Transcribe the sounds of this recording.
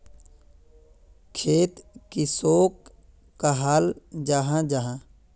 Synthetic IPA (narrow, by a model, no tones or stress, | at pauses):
kʰeːt̪kisoːkː | aɦaːld͡ʒaɦãd͡ʒaɦã